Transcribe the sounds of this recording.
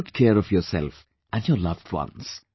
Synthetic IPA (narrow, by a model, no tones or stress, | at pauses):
ʊtkʰɛɹɔvjɔsɛ̰lˠf | ʔɨ̃njɔlʌvdwʌ̰̃ns